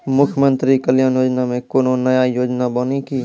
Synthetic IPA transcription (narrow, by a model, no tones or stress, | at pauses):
mʊkʰjmə̃nt̪ɾikəljaːnjoːd͡ʒnamẽkoːnõnəjajoːd͡ʒnabəːnikiː